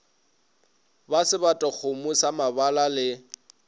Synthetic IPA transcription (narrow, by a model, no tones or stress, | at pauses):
basɪbatʼak͡xʰʊmʊsamabalalɪ